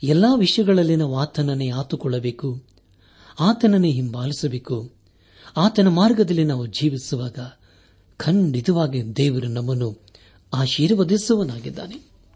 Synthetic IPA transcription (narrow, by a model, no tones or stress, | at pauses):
ɛlːaːʋiʂjɐɡɐɭɐlːinɐʋaːt̪ɐnɐneaːt̪ukɔɭːɐbeːku | aːt̪ɐnɐneɦimbaːlisɐbeːku | aːt̪ɐnɐmaːɾɡɐd̪ɐlːinaːʋud͡ʒʱiːʋisuʋaːɡɐ | kʰɐɳɖid̪ɐʋaːɡid̪ɛːʋɐɾunɐmːɐnːu | aːʃiːɾʋɐd̪isɐʋɐnaːɡid̪ːa̰ːne